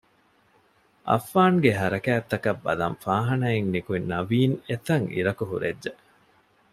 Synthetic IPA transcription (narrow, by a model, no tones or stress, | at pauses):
ʔɐ̰fːaːŋɡeɦɐɾɐkæːt̪ːɐkɐbːɐ̰lɐ̰ɱfaːɦɐnɐiŋnikuinːɐʋiːnet̪ɐŋḭɾɐkuɦṵɾedːe